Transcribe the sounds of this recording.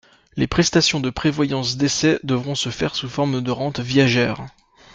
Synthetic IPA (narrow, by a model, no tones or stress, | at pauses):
lepχɛst̪asjɔ̃d̪əpχevwajɑ̃sd̪esɛd̪əvʁɔ̃səfɛʁsufɔʁmd̪əʁɑ̃t̪vjaʒɛːʁ